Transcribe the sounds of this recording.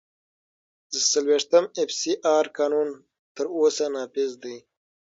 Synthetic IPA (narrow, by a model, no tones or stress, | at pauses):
d̪əsalweʂt̪əmefsiʔɑːɾkɑːnun | t̪əɾosanɑːpɪzd̪əj